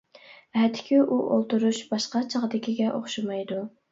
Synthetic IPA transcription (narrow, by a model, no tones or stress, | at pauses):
ɛt̪ʰːɪ̥kʲʰiʔuʔolˠt̪uɾuʃbɑʃqɑt͡ʃʰɑʁd̪ɪkʲiɡʲɛʔoχʃɑmɑjd̪u